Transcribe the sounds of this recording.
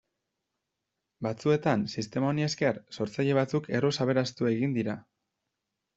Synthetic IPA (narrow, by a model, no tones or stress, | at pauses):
bat͡sue̞t̪ansist̪e̞maonieskeɾso̞ɾt͡saʎe̞β̞at͡sukʰe̞rosaβe̞ɾast̪ue̞ɣind̪iɾa